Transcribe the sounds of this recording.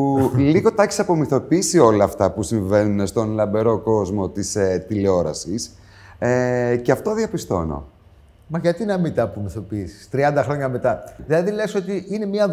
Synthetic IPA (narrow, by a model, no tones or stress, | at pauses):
liɣo̞t̪ɐçi̥sɐpo̞miθo̞piisio̞lɐːft̪ɐpusiɱvenunest̪o̞nlɐmbe̞ɾo̞ko̞zmo̞t̪iset̪ileo̞ɾɐ̰sis | eceɐft̪o̞ðiɐpist̪o̞̰no̞̰ | mɐʝɐt̪inɐmit̪ɐpomiθo̞piisi̥st̪ɾiɐnd̪ɐxɾo̞ɲɐme̞t̪ɐðilɐðileso̞t̪iʔinemiɐ